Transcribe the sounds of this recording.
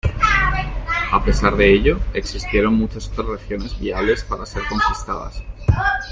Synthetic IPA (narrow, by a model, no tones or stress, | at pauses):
ape̞saɾðe̞eʎo̞e̞ksist̪je̞ɾo̞ŋmut͡ʃasot̪ɾazreθjo̞ne̞zβiaβle̞spaɾase̞ɾko̞ŋkist̪aða̰s